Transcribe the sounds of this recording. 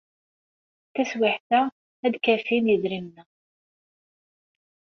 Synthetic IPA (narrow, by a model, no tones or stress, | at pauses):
θæswɪħθæ | æd̪kæfinjiðɾimnæ